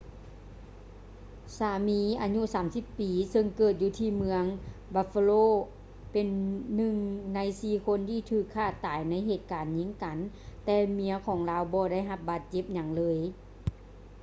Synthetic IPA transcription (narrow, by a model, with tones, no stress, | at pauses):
saː˨˦miː˧˥ʔaː˨˧˦ɲu˧˥˨saː˨˦msi˧˦pːiː˨˦sɤ˧ŋkɤː˧˩t̪̚juː˧t̪ʰiː˧˩mɯ˧əŋbaː˧˩fa˧loː˧˥˨ | pe˨nːɯ˧ŋna˧˥jsiː˧˩kʰo˧˥˨nt̪ʰiː˧˨t̪ʰɯː˧˩kʰːaː˧˥˩t̪aː˨˦jna˧˥˨jɦeː˧˩t̪̚kaː˨nɲi˧˥ŋka˨n | t̪ɛː˧mi˧˥ɐkʰɔː˨˦ŋlaː˧˥wbɔː˧da˥˨jɦa˧p̚baː˨˧˩t̪̚t͡ɕe˧˦p̚ɲa˧˩ŋlɤː˧˦˥j